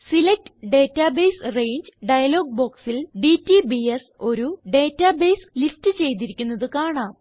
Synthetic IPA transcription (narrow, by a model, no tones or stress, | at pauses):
silek̚tɨ̥ɖe̞ːtːaːbe̞jsrejɲd͡ʑɨɖɐjɐlo̞ːɡ̚bo̞ːksilɖitːibieso̞ɾuɖe̞ːtːaːbejslistɨt͡ɕe̞jt̪iɾikʲːunːɐðɨkaːɳaːm